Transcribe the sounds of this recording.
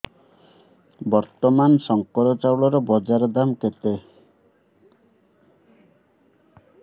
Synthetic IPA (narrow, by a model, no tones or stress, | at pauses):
bɔɾt̪ɔmansɔŋkɔɾɔt͡ʃawɭɔɾɔbɔd͡ʒaɾɔd̪amket̪e